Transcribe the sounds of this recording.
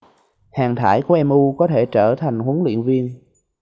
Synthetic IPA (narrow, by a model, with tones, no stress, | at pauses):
haː˨˩ŋt̪ʰaː˧˩jku˧˩əʔɛ˧mʔu˧kɔ˨˦t̪ʰe˧˩t͡ɕəː˧˩t̪ʰa˨˩jŋ̟hu˨˦əŋlwḭ˧˨ənvi˧ən